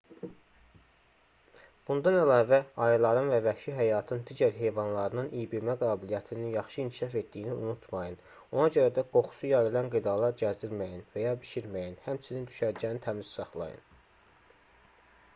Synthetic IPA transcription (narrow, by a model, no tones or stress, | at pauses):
b̥und̪ɑnælɑːvæɑjilˠɑɾɯnvævæʃiɦæjɑːt̪ʰɯnd̪iɟæɾɦe̞jvɑnlˠɑɾɯnɯnʔijibiɾmæɡɑːbilijæt̪ʰininjɑχʃɯinkʰiʃɑfe̞t̪d̪ijiniunut̪ʰmɑjɯn | o̞nɑɟø̞ɾæd̪æɡ̥o̞χu̥sujɑjɯlˠɑnɡid̪ɑlˠɑɾɟæzd̪iɾmæjinvæjɑbiʃiɾmæjinhæmt͡ʃʰinind̪yʃæɾd͡ʒænit̪ʰæmizsɑχlˠɑ̰jɯ̰n